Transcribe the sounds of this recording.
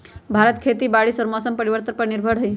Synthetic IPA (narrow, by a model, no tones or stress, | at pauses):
bʱaɾət̪kʰet̪iːbaɽiːsəɾmasəmpəɾiʋəɾt̪əɾpəɾniɾbʱəɽɦəi